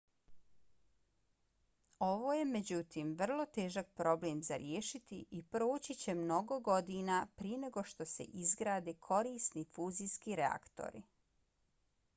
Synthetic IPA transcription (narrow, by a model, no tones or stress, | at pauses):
o̞ʋo̞ːje̞me̞d͡ʑut̪iːmʋr̩lˠo̞t̪e̞ːʒak̚pɾo̞bleːmzaɾjeːʃit̪iʔipɾoːt͡ɕit͡ɕe̞mno̞ɡo̞ɡo̞d̪inapɾiene̞ɡo̞ʃt̪o̞se̞̰ʔizɡɾaːd̪eːkʰo̞ɾiːsnifuːziskiɾea̰kt̪o̰ɾḭ